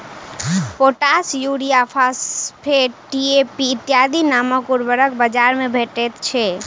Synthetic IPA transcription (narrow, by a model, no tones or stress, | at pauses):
poʈasjuɽijapʰaspʰeʈiepiːt̪ːjad̪ʱinaməkuɾbəɾəkbəd͡ʒaɾmebʱeʈet̪t͡ʃʰɛ